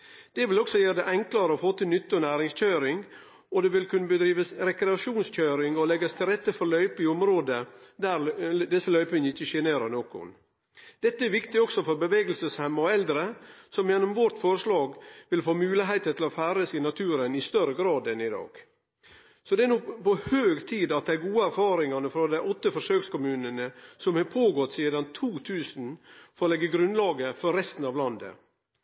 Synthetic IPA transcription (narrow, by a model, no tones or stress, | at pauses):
d̪̥ɛʋɪlɔksɔjeːd̪ɛʔɛŋklɑɾəɔfoːt̪ɪlnʏt̪ːɔnæːɾɪŋsc͡çœʏɾɪŋ | ɔd̪ɛʋɪlkʉnːəbəd̪ɾiːʋəsɾɛkɾɛɑʃuːnsc͡çœːɾɪŋɔlɛɡəst̪ʰɪlɾɛt̪ːəfɔɾlœʏpɪɔmɾoːd̪əd̪æɾd̪ɛsːəlœʏpɪnɪçːəʃeːneːɾənoːkʊ̰n | d̪̥ɛt̪ːəɛɾʋɪkt̪ɪɔksɔfɔɾbəʋeːɡəlsəshɛmːɔɛld̪ɾəsɔmjɛnːʊmʋɔɾʈ̪fɔɾəʂlɑːɡʋɪlfoːmʉːlɪɦæɪt̪ət̪ʰɪlɔfæːɾəsɪnɑt̪ʰʉːɾənɪst̪œɾəɡɾɑːd̪ɛnɪd̪ɑ̰ːɡ̥ | sɔd̪ɛæɾnuːpɔhøːɡt̪ʰiːd̪ɑt̪̚d̪ɛæɾɡuːəæɾfɑːɾɪŋɑnəfɾɑːd̪æɪʔɔt̪ːəfɔʂøːkskʊmʉːnənəsɔmhɑpʰoːɡɔt̪ːsiːd̪ɑnt̪ʰuːt̪ʰʉːsn̩fɔɾlɛɡːəɡɾʉnlɑːɡəfɔɾɾɛst̪n̩ɑʋlɑnd̪ə̰